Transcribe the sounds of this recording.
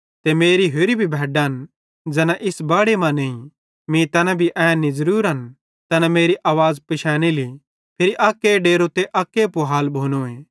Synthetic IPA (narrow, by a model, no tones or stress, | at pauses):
t̪emeːɾiɦeːɾibʱibʱɛːɖan | d͡ʒɐnãʔɪsbaːɽemɐ̃neĩ | mĩt̪ɐnãbʱiʔɛ̃nĩzɐɾuːɾɦɐn | t̪ɐnameːɾiʔaːʋaːzpɪʃɛːñili | pʰɪɾiʔɐːkːeɖeːɾot̪eʔɐːkːepoɦaːlbʱoːnoːẽː